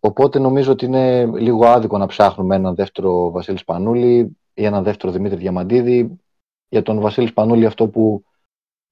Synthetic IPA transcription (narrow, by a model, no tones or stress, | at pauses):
o̞po̞t̪e̞no̞mizoot̪iine̞liɣo̞ɐðikonɐpsɐxnume̞nɐnðeft̪e̞ɾo̞vɐsilispɐnuli | ienɐnðe̞ft̪e̞ɾo̞ðimit̪ɾiðʝɐmɐnd̪iði | ʝɐt̪o̞nvɐsilispɐnuliɐft̪o̞pu